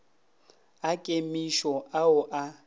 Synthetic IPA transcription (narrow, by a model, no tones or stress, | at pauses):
akʼemiʃɔaʊʔa